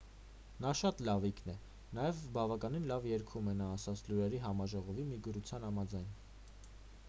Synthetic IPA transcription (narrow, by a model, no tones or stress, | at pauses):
nɑʃɑt̪lɑvikʰnɛ | nɑjɛvbɑvɑkɑninlɑvjɛɾkʰumɛnɑːsɑt͡sʰluɾɛɾiɦɑmɑʒɔʁɔvimiɡəɾut͡sʰjɑnhɑmɑd͡zɑjn